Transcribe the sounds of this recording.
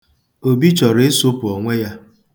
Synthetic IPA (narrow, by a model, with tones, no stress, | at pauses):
o˨bi˦t͡ʃɔ˨ɾe˦so˦pʊ˨ɔ˨ŋʷe˦ja˦